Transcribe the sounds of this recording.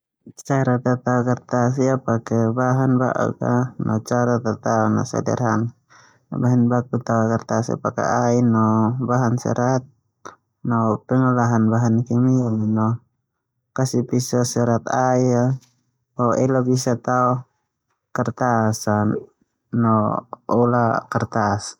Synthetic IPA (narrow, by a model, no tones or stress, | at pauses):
t͡ʃaɾat̪at̪aɔkart̪as̬iapakɛbaɦanba̰ʔṵka̰nʔɔ̰t͡ʃaɾat̪at̪aɔna̰sa̰dɛ̰rɦan | baɦɛnbakut̪aɔkart̪asḭpa̰kɛ̰ainɔbaɦansɛ̰ɾat̪̚ | nɔpɛŋalaɦanbaɦankɛmiaminɔ | kasipisasɛɾat̪aia | ɔɛlabisat̪aɔ | kart̪asan | nɔɔlakart̪as